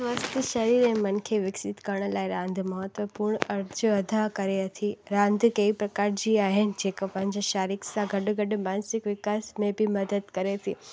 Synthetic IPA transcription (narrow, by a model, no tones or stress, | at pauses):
ʋaːst̪iʃɐɾiːɾẽmɐn̆kʰeʋɪksɪt̪kɐɾɽ̃ə̆laːɪɾãːnd̪ʱmɐɦət̪ʋəpuːɾɳ̃ɐɾd͡ʒəɐd̪ʱakɐɾeɐt̪ʰiɾãːnd̪ʱkɐipɾɐkaːɾd͡ʑiaːɦɪnɪ̆d͡ʑeːkəpɐ̃ɦɪ̃ɲd͡ʑʃaːɾɪksãɡɐɖɡɐɖ̆mãːnsɪkʋɪkaːsmẽbɪmɐd̪əd̪kɐɾet̪ʰiː